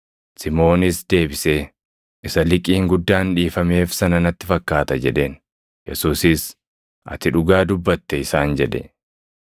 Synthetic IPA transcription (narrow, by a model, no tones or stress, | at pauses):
sɪmo̞ːnɪsd̪e̞ːbɪseː | ʔɪsɐlɪkʼiːŋɡʊd̪ːaːnᶑiːfɐme̞ːfsɐnɐnɐt̪ːɪfɐkːaːt̪ɐd͡ʒɛᶑe̞ːn | jɛ̰suːsɪs | ʔɐ̰t̪ɪᶑʊɡaːd̪ʊbːɐt̪ːɛɪsaːnd͡ʒɛᶑɛ̰